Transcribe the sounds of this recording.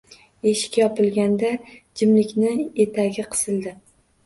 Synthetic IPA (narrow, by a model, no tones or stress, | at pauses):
e̞ʃɪ̥kʲːajɒpɪlˠɡʲand̪ad͡ʒɪmlɪkʲnɪe̞t̪ʰaɡʲɪqʰɨ̥sɨlˠd̪ɪ